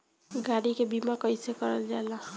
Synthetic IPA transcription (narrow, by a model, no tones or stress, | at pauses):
ɡaɽikebimakʌjsekʌɾʌld͡ʒala